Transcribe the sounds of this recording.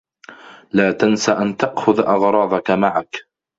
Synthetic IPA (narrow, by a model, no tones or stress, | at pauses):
laːt̪ansaʔant̪ɑʔxʊðʔɑɣɾˤɑːðˤɑkamaʕak